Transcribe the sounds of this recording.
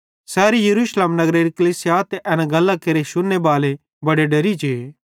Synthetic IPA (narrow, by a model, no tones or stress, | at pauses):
sɛːɾijɐɾuːʃleːmnɐɡɾeɾikɐlisɪjaːt̪ʔɐnaɡɐlːakeɾeʃʊnːebaːle | bɐɽeɖɐɾit͡ʃʰeː